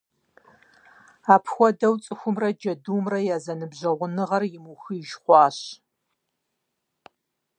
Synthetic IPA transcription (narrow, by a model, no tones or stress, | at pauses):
aːpʰxʷɔdɐwt͡sʼɨxʷʊmrɐd͡ʒɐduːmrɐjaːzɐnɨbʑɐʁʷʊnɨʁɐrjɪmuxɨɪʒχʷɑːɕ